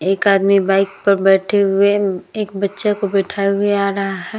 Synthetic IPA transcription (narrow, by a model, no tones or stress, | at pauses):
eːkaːd̪mibaːɪk̚pɐɾbɛːʈʰeɦʊeeːkbɐtːʃekobɛːʈʰaːeɦʊeaːɾɐɦaɦɛː